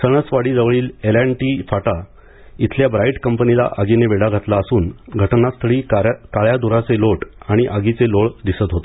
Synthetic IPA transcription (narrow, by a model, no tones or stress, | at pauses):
səɳ̃ət͡sʋaɽiːd͡zəʋɭiːlelaɳʈiːfaʈa | it̪ʰljabɾaiʈkəmpənila̰ʔaɡineʋeɽaɡʱat̪laəsuːnɡʱəʈnast̪ʰəɭiːkaɭjad̪uɾat͡seloʈaɽ̃iʔaɡit͡seloɭd̪isət̪ɦot̪e